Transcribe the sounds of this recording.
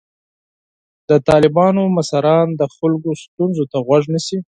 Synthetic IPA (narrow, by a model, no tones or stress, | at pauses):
d̪̥ət̪ɑlɪbɑnomasaɾɑnd̪əxʊlɡost̪unzot̪aɣwaʐnəsi